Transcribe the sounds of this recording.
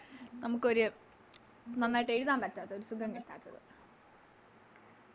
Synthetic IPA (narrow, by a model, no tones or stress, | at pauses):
nɐmukːɨo̞ɾu | nɐnːaːjiʈːeːɾuðaːmpɐtːaːt̪ːɐðoɾusuɡɐŋkeʈːa̰ːt̪ːɐðɨ̰